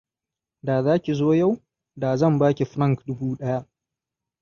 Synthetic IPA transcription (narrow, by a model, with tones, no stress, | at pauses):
daː˨zaː˦kʲi˨zoː˦ja˦˨w | daː˨zɐ˦˨mbaː˦kʲi˨ɸɾɐ˦˨ŋkdʊ˦buː˦ɗɐ˦ja˦ʔ